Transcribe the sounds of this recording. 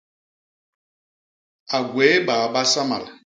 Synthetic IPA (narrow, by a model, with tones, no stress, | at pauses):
a˨ɡweː˨˦baː˨ba˦sa˦ma̰˨l